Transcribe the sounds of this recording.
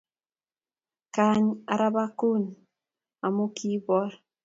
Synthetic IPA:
ka˨˦ɲa˨ɾa˦ba˦ko˦˨n | a˨mo˦kʰi˦bɔ˦ɾ

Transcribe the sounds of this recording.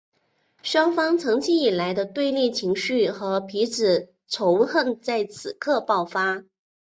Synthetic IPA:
ʂwɑ˥ŋfɑ˥ŋt͡sʰɤ˧˥ŋt͡ɕʰi˥ŋi˨˩la˧˥ɪd̪ə˧t̪we˥˧ɪlɛ˥˩t͡ɕʰi˧˥ŋɕy˥˩xɤ˧˥pʰi˧˥ʈ͡ʂɻ̩˨˩ | ʈ͡ʂʰo˧˥ʊxə˥˧˩nt͡sa˥˩ɪt͡sʰɹ̩˨˩kʰɤ˥˧pɑ˥˩ʊfa˥

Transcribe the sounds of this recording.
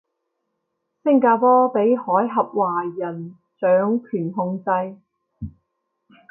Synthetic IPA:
sɪ˥ŋkaː˧pɔː˥pe˨˥jhɔː˨˥jɦɐ˨p̚waː˨˩jɐ˨˩n | t͡ʃœː˨˥ŋkʰyː˨˩nɦʊ˧ŋt͡sɐ˧j

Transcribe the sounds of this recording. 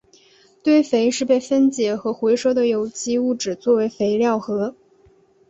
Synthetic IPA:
t̪we˥˩ɪfe˧˥ɪʂɻ̩˥˧pe˥˩ɪfə˥nt͡ɕjɛ˧˥xɤ˧˥xwe˧˥ɪʂɤ˥ʊd̪ə˨jo˨˩ʊt͡ɕi˥u˥˩ʈ͡ʂɻ̩˨˩t͡swɔ˥˩we˧˥ɪfe˧˥ɪljɑ˥˩ʊxɤ˧˥

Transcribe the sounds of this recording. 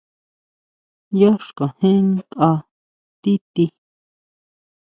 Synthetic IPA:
jo˦ʂkã˨hẽ˦nt̪ʔa˧ | t̪i˦t̪i˧

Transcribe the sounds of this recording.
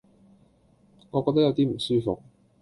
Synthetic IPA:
ŋɔː˨˧kɔː˧t̪ɐ˥jɐ˨˧wt̪iː˥m̩˨˩syː˥fo̰˨k̚

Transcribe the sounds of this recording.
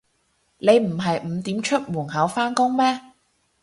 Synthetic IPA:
le˨˧jm̩˨˩ɦɐ˨jm̩˨˧t̪iː˨˥mt͡ʃʰɵ˥t̚muː˨˩ŋɦɐ˨˥wfaː˥nkʊ˥ŋmɛː˥

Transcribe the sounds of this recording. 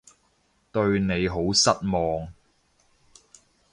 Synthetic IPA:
t̪ɵ˧ɥne˨˧jɦo˨˥wsɐ˥t̚mɔː˨ŋ

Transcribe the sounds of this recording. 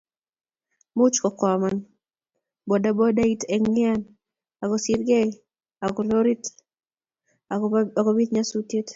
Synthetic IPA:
mʊ˦t͡ʃkɔ˨kɔ˨ma˦n | bɔ˨da˦bɔ˦da˦i˦te˨ŋɪ˦a˦n | a˨ɡɔ˨si˦ɾɡe˦ | a˨ɡɔ˨lo˦ɾi˦t | aaɡɔ˦bi˦t̪̚ɲa˦su˦tje˦t

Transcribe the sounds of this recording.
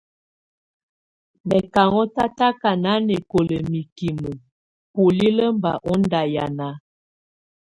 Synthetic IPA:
mɛ˨ka˨ŋɔ˦ta˦ta˦ka˨na˨˦nɛ˨ko˨lə˨mi˨ki˨mu˨ | pu˨li˦lə˦mba̰˨ʔɔ˦nda˨ja˨na˦

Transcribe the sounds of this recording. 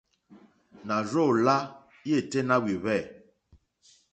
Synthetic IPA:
na˨ɾo˦˨la˦ | je˦˨te˦na˦wi˨βɛ˦˨

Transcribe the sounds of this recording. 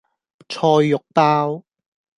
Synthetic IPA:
t͡sʰɔː˧jːʊ˨k̚paː˥w

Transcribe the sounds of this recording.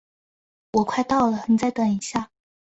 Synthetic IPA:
wɔ˨˩kʰwa˥˧ɪt̪ɑ˥˩ʊlə˩xə˨˩nt͡sa˥˧ɪt̪ə˨˩ni˨˩ɕja˥˩

